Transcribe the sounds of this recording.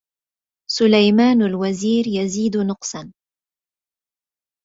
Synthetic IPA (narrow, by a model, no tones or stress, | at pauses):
sʊlajmaːnalwaziːɾjaziːd̪nʊqsɑn